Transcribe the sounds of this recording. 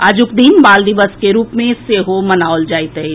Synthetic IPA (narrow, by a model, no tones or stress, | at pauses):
aːd͡ʒʊkd̪inbaːld̪ɪʋəskeɾuːpmẽseɦomɐnaːold͡ʒaːit̪e